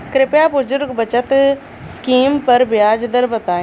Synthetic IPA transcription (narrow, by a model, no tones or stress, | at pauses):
kɾɪpjaːbʊzʊɾɡbɐt͡ʃət̪ | skiːmpɐɾbɪjaːd͡ʒd̪əɾbət̪aː